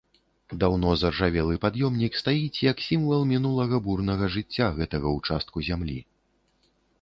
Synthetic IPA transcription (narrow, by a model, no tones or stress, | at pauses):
d̪awn̪ɔzɐrʐavʲɛlˠɨpad̪jɔmnʲikst̪ajit͡sʲjɐksʲimvɐlˠmʲinulˠɐɣɐburnɐɣɐʐɨt͡sʲːaɣɛt̪ɐɣɐwt͡ʂast̪̚kuzʲamlʲḭ